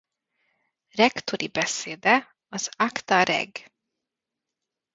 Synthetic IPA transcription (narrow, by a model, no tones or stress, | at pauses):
ɾɛkt̪ʊɾʔiːbɛseːd̪ə | ɔsɑkt̪ɑɾɛ̰ɡ